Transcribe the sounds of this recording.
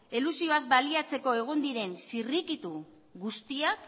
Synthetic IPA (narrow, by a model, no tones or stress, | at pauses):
elusio̞azbaliat͡se̞ko̞eɣ̞ond̪iɾe̞nsirikit̪u | ɣust̪iak